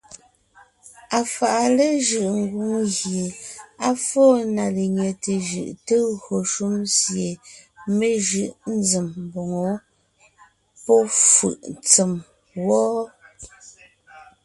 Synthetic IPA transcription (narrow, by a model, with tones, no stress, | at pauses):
a˨fa˨ʔa˨le˦ʒɯ˨ʔŋ̩˨ɡu˨˦ŋɣje˨a˦fɔ˦na˨le˨ɲɛ˨te˨ʒɯ̰˨ʔte˦ɣɰo˨ʃu˦msje˨me˦ʒɯ˨ʔn̩˦d͡zi˨mbɔ˨ŋo˨ | pɔ˦fɯ̰˨ʔt͡sə˨m | wɔː˦